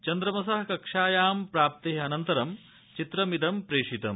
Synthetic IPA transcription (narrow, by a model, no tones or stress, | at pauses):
t͡ʃɐnd̪ɾɐmɐsɐɦɐkɐkʂaːjaːmpɾaːp̚t̪eɦɐɐnɐnt̪ɐɾɐm | t͡ʃit̪ɾɐmid̪ɐmpɾeːʂit̪ɐm